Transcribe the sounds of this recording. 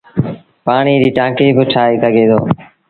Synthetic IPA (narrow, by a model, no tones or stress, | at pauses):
paːɳiːdiːʈãːkiːbɪʈʰaːeːsəɡʱeːd̪ʰoː